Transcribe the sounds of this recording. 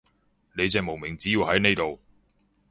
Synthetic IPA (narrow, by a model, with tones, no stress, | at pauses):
ne˨˧jt͡sɛː˨k̚mo˨wmɪ˨˩ŋt͡siː˨˥iː˨˧whɐ˨˥jne˥˧t̪o˨w